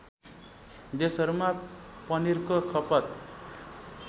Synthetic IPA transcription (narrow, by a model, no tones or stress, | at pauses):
d̪esʌɾumapʌniɾkokʰʌpʌt̪